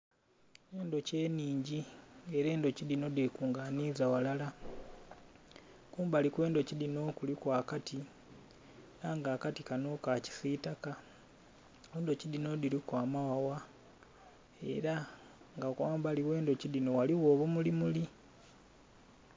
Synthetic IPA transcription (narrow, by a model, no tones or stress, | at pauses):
eːndo̞ce̞ːniːɲɟieɾe̞ːndo̞ciðino̞dekuːŋɡaniːzawalala | kuːmbalikwe̞ːndo̞cidino̞kulikwaːkatʰi | eɾaŋɡaːkatikano̞kaci̥sitaka | eːndo̞cidino̞diɾikwaːmawawa | e̞̰ɾa | ŋɡakwaːmbaliwe̞ːndo̞ciðino̞waliwo̞ːβumulimuli